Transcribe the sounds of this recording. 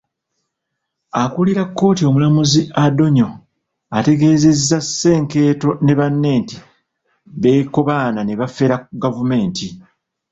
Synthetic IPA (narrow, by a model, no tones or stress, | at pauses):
akuliɾakːo̞ːtio̞mulamuziado̞ɲo̞ | ate̞ɡe̞ːze̞zːasːe̞ːŋke̞ːto̞ne̞βanːe̞ːnti | βe̞ːko̞βaːnane̞βafe̞ɾaɡavume̞ːnti